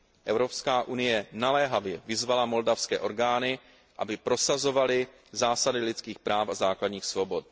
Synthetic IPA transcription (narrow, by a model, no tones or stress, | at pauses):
ʔɛvɾo̞pskaːʔunɪjɛnalɛɦavjɛvɪzvalamo̞ldafskɛːʔo̞ɾɡaːnɪ | ʔa̰bɪpɾo̞sazo̞valɪ | zaːsadɪlɪt͡skiːxpɾaːfazaːkladɲiːxsvo̞bot̪̚